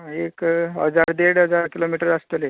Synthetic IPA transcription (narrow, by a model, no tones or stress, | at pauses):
ekɦə̰d͡zaɾd̪eɽɦəd͡zaɾkilomiʈəɾast̪əle